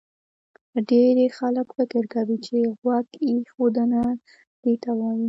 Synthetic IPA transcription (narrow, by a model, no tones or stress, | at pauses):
ɖeɾexaləkfɪkɪɾkawit͡ʃeɣwakixod̪əna | d̪̥et̪awɑji